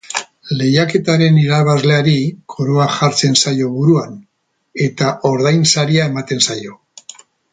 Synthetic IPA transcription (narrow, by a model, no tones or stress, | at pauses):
le̞jake̞t̪aɾe̞niɾaβ̞azle̞aɾikʰo̞ɾoaʝaɾt͡se̞nsajo̞βuɾuan | e̞t̪aʔo̞ɾðajnsaɾiae̞mat̪e̞nsajo̞